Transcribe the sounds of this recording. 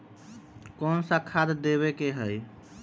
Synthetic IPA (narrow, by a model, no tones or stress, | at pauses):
kɔnsakʰad̪d̪eβekeɦəj